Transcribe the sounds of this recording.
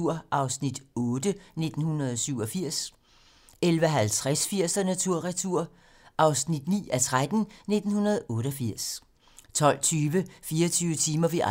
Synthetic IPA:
uɐ̰ʔɑ̈ʊsnid̥ɔ̽ːd̥əne̝d̥n̩hunɐð̞ˠɒsyʊ̰ɒ̽fiɐ̰s | elʋəɦælt͡sʰʁasfiɐ̰sd̥ænæt͡sʰuɐ̰ʁɛt͡sʰuɐ̰ | ʔɑ̈ʊsnid̥nḭːæt͡sʰʁad̥n̩ne̝d̥n̩hunɐð̞̩ˠɔ̽ːɾ̥ɒfiɐ̰s | t͡sʰɒ̽l̰t͡sʰyːʋəfiːɐt͡sʰyːʊʋət͡sʰiːmɐʋiʔ

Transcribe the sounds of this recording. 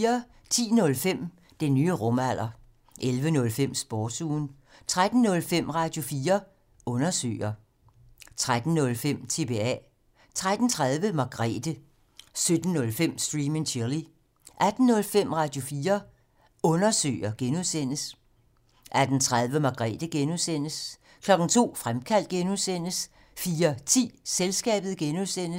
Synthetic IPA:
ɐ | t͡sʰḭːnɔ̽lfem̰ | d̥e̝nyːəʁɔ̽mæl̰ɐ | ʔelʋənɔ̽lfem̰sb̥ɔːd̥suːn | t͡sʰʁad̥n̩nɔ̽lfem̰ʁɑ̈ːd̥jo̝fiːɐ | ʔɔ̽nɐsø̰ːɪɐ | t͡sʰʁad̥n̩ːɔ̽lfem̰t͡sʰe̝be̝ɛ̰ | t͡sʰʁad̥n̩t͡sʰʁað̞ˠʋəmɑ̈ɡ̥ʁɛ̰ːd̥ə | sød̥n̩ːɔ̽lfem̰sd̥ʁiːmeŋt͡ɕʰeɐli | ʔæd̥n̩ːɔ̽lfem̰ʁɑ̈d̥jo̝fiːɐ | ɔ̽nɐsø̰ːɐɡ̥enuðˠsen̰əs | ʔæd̥n̩t͡sʰʁað̞ˠʋəmɑ̈ɡ̥ʁɛ̰ːd̥əɡ̥enuðˠsen̰əs | kʰlɒ̽ɡ̥n̩t͡sʰo̝̰ːfʁamkʰæl̰d̥̚ɡ̥enuðˠsen̰əs | fiːɐt͡sʰḭːselsɡ̥ɛ̰ːb̥ð̞̩ˠɡ̥enuðˠsen̰ə

